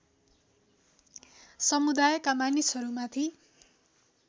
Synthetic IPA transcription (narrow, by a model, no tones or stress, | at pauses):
sʌmud̪ajʌkamanisʌɾumat̪ʰi